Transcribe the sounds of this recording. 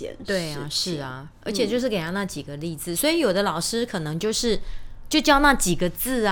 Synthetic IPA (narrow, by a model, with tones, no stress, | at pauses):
t̪we˥˩ɪɐ˩ʂɻ̩˥˩ɐ˩ | ə̰˞˧˥t͡ɕʰjɛ˨˩t͡ɕjo˥˧ʊʂ̬ɻ̩˥˩ke˨˩ɪjɑ˥˧na˥˩t͡ɕi˨˩ɡə˦li˥˩t͡sɹ̩˨˩swɔ˧˥i˧˥jo˨˩ʊd̪ə˦lɑ˨˩ʊʂɻ̩˥kʰɤ˨˩nɤ˧˥ŋt͡ɕjo˥˧ʊʂɻ̩˥˩t͡ɕjo˥˧ʊt͡ɕjɑ˥˧ʊna˥˩t͡ɕi˨˩ɡə˦t͡sɹ̩˥˩